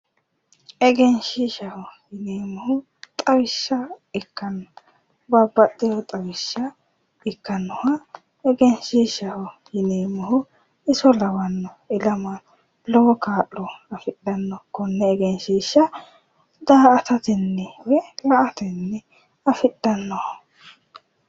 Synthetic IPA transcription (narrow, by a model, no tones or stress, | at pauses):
ɛɡɛnʃiʃɐhɔjɪneːmːɔhʊ | t̪ʼɐwɪʃːɐɪkːɐnːɔ | bɐbːɐtːɛjɔt̪ʼɐwɪʃːɐ | ɪkːɐnːɔhɐ | ɛɡɛnʃiːʃɐhɔjɪneːmɐhʊ | ɪsɔlɐwɐnːɔɪlɐma | lɔwɔkaːʔːɔɐfɪɗɐnːɔkːɔnːɛːɡɛnʃiːʃːɐ | d̪aːɐt̪ɐt̪ɛnːɛwɛmɐʔɐt̪ɛnːɛ | ɐfɪɗːɐnːɔhɐ